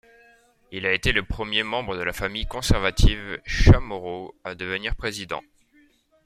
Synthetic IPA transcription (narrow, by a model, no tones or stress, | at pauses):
ilaet̪eləpχəmjemɑ̃bʁəd̪əlafamijkɔ̃sɛʁvat̪ʰivʃamɔʁoad̪əvəniʁpχezid̪ɑ̰̃